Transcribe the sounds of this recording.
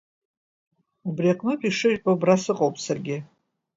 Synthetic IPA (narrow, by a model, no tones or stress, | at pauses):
ubrijaqʼnɨtʷʼiʂɨɥħabrasɨqʼowpʼsarɡʲɪ